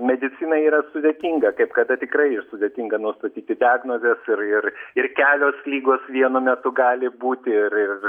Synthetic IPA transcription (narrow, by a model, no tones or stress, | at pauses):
mʲɛd̪ʲɪt͡sʲinɐiːɾɐsʊd̪ʲeːt̪ʲiːŋɡɐkɐɪpkɐd̪ɐt̪ʲɪkɾɐɪɪʃsʊd̪ʲeːt̪ʲiŋɡɐnʊst̪ɐt̪ʲiːt̪ʲɪd̪ʲɑːɡnoːzʲɛsɪrɪrɪrkʲæːlʲoːslʲiːɡoːsʋʲiɛnʊmʲɛt̪ʊɡɑːlʲɪbuːt̪ʲɪrɪr